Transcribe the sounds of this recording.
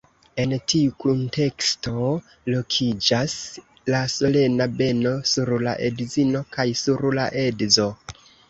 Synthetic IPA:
e̞ntiukunte̞ksto̞ | lo̞kʰid͡ʒas | laso̞le̞nabe̞no̞suɾla̰ʔḛdzino̞kajsuɾla̰ʔe̞dzo̞

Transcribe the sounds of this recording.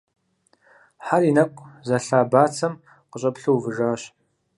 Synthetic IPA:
ħaɾinɐkʷʼzɐɬaːbaːt͡sʰɐm | qəɕʼɐpɬɨwvɨʒaːɕ

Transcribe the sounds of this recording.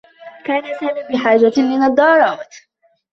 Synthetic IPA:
kaːnasamabɪħaːd͡ʒamɪnad̪ˤːɑːɾˤɑːbt̪

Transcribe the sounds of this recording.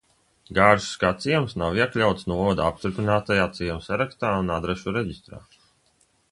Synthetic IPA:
ɡaːɾʃskaːt̪siɛmsnawiɛklʲawt̪snuɔvɔd̪a̰p̚t̪uɾpɾinaːt̪ajaːt̪sijɛmsɛɾakt̪aːunad̪ɾɛʃuɾeɟist̪ɾa̰ː

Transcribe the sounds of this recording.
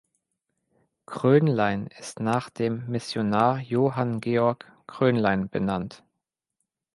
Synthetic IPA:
kʁ̥øːnlaɪnɪstnaːχd̥eːmːɪsjonaːɐjoːɦanɡeːɔɐkː | ʁ̥øːnlaɪnbənant

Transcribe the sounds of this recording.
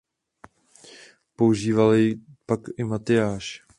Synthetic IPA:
po̞uʒiːvalɪpakɪmat̪ɪjaːʃ

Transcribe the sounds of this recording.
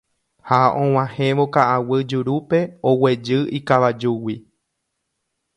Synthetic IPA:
haõw̃ãhẽʋokaʔawɨd͡ʒuɾupe̞owe̞d͡ʒɨikaʋad͡ʒuwi

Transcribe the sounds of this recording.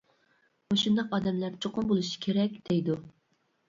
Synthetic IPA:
muʃund̪ɑqɑːd̪ɛmlæɾt͡ʃʰoqʊmbolˠuʃi̥kʲʰeɾɛkʲd̪̥ejd̪u

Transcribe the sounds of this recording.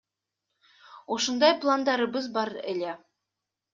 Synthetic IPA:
oʃond̪ɑjplˠand̪ɑɾɯbɯzbɑɾḛlʲe

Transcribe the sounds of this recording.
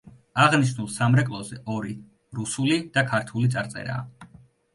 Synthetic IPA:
aʁniʃnulˠsamɾɛkʼlˠɔzɛʔɔɾi | ɾusulid̪̥akʰaɾt̪ʰulit̪sʼaɾt̪sʼɛ̰ɾa̰ː

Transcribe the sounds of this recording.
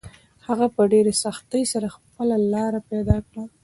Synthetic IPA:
haɣapəɖeɾesaxt̪əjsaɾaxpəlalɑɾapɛd̪ɑkɽa

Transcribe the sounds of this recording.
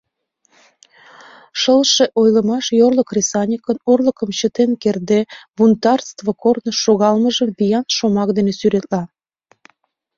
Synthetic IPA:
ʃəlʃe̽ʔojləmɑʃjorləkresɑnʲikənorləkəmɕət̪enkerd̪eβunt̪ɑrst̪vokornəʃoɣɑlməʒəmbijɑnʃomɑk̚d̪enesyɾet̪lɑ

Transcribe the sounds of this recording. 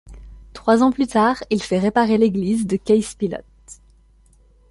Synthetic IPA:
t̪χwazɑ̃plyt̪aʁilfɛʁepaʁeleɡlizd̪əkʲajspilɔ̰t̪

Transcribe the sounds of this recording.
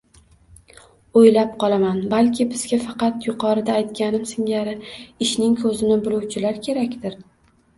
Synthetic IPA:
ojlap̚qʰɒlˠamanbalkʲʰɪbɪz̥ɡʲafɑqɑt̪jʊqʰɒɾɪd̪aːjt̪kʲanɪmsɪŋʲaɾɪɪʃnɪŋkʰɵzɪnɪbʊlˠuwt͡ʃʰɪlaɾkʲʰe̞ɾakʲt̪ɪɾ

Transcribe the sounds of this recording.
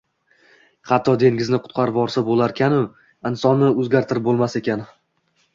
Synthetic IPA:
χɑt̪ʰːɒd̪e̞ŋɡɪznɪqʰʊ̥t̪̚qʰɑɾvɒɾsabolaɾkʲʰanʊ | ɪnsɒnːɪɵzɡʲaɾt̪ʰɪɾɪp̚bolˠmase̞kʲʰan

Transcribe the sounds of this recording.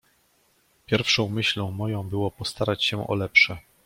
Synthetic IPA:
pʲjɛɾfʂɔ̃w̃mɘɕlɔ̃w̃mɔjɔ̃w̃bɘwɔpɔst̪aɾat͡ɕɕɛʔɔ̰lɛpʂɛ

